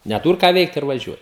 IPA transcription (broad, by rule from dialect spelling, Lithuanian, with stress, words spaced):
nʲɛˈtuːr kɑː ˈʋʲɛɪkt ɪr ʋɐˈʒʲuɔj